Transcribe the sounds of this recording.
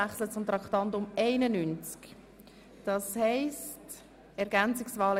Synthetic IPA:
aχslət͡sʊmt̪ʁɑkχtɑntʊmɛɪnənynt͡sk | d̥ɑshɛɪst | ɛɾɡɛnt͡sɪksvɑːlə

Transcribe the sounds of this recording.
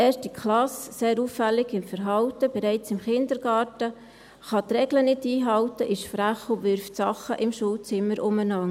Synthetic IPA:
eːʃtikχlɑsseːɾuːfːælːɪɡɪmfəɾɦɑwtəb̥ɛɾɛɪt͡sɪmχɪnd̪əɾɡ̥ɑːɾtə | χɑt̪ɾɛɡlənɪtiːɦɑwtəʔɪʃfɾæχʊʋʏɾftsɑχə̰ʔɪmʃuːlt͡sɪmːəɾʔʊmənɑŋ

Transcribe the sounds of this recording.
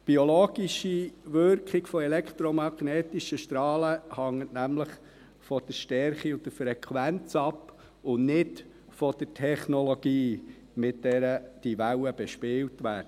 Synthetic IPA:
b̥iɔloːɡ̥iʃiʋʏɾkχiɡfɔɛlɛkt̪ɾɔmɑɡnɛːtiʃəʃtɾɑːləhɑŋːətnæmləχ | fɔd̥əɾʃtɛɾχiʊnd̪əfɾɛkʰwænt͡sɑpː | ʊnnɪd | fɔd̥ətʰɛχnɔloɡ̥iː | mɪtdɛːɾəd̥iʋæwəb̥ɛʃpɪːltʋæːdə

